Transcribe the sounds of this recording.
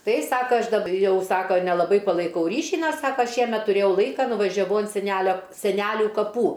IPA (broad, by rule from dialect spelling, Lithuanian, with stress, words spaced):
ˈtɐɪ ˈsɑːkɐ ˈɐʃ dɐp ˈjɛʊ ˈsɑːkoː nʲɛlˠɐˈbɐɪ pɐlˠɐɪˈkɐʊ ˈrʲiːʃʲiː ˈnʲɛs ˈsɑːkɐ ˈʃʲiɛmʲɛt tʊˈrʲeːjɛʊ ˈlˠɐɪkɐ nʊʋɐʒʲɛˈʋɐʊ ɐnt sʲɛˈnʲælʲoː sʲɛˈnʲælʲʊ kɐˈpuː